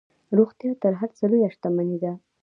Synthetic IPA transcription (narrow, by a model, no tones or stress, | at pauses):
ɾoxt̪jɑt̪əɾɦaɾt͡salojaʂt̪amanid̪a